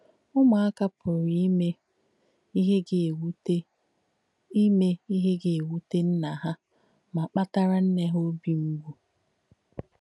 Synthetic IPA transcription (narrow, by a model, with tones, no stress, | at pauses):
ʊ˦ma˨a˦ka˦pʰʊ˨ɾi˦me˦ | ɦe˦˨˦ | me˦i˦ɦe˦ɡɪ˨e˨wu˦te˦n̩˦na˨ɦa˦ | ma˨k͡pa˦ta˦ɾa˦n̩˦ne˦ɦo˦bi˦ŋ͡m̩˦ɡʷu˦